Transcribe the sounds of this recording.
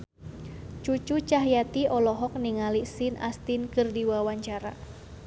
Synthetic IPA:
t͡ʃut͡ʃut͡ʃaɦjat̪iʔɔlɔɦɔk̚niŋalisinʔa̰st̪inkɨrdiwawaɲt͡ʃaɾa̰

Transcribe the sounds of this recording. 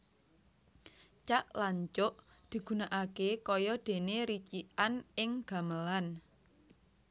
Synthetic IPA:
t͡ʃaʔlaɲt͡ʃʊʔ | d̪̥i̤ɡ̥ṳnaʔakekɔjɔd̪̥e̤neɾit͡ʃiʔanɪŋɡ̥a̤məlan

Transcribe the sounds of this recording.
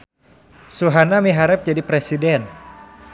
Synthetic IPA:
suɦanamiɦaɾɛp̚d͡ʒadipɾesidɛn

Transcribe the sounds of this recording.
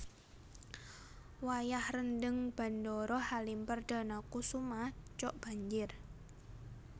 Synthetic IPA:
wajahrəndəŋb̥a̤ndɔɾɔhalimpərd̥a̤nakusumaht͡ʃɔʔb̥a̤ɲd͡ʒɪr

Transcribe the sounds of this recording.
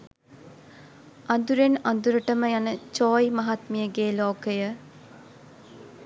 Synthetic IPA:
ɐnd̪uɾenɐnd̪uɾəʈəməjanət͡ʃɔːjmɐɦat̪mijəɡeːloːkəjə

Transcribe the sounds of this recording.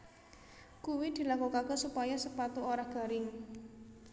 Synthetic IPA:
kuwid̪̥i̤lakukaɡ̥ɔ̤supajasəpat̪uoɾahɡ̥a̤ɾɪŋ

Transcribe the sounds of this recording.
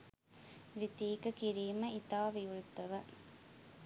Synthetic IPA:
ʋit̪iːkɐkiɾiːmɐit̪aːʋiuɭt̪ɐʋɐ

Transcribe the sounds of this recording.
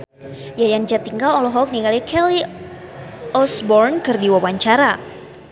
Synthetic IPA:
jajaŋd͡ʒat̪iŋɡalɔlɔɦɔk̚niŋalakɛli | ɔsbɔrnkɨrdiwawaɲt͡ʃaɾa

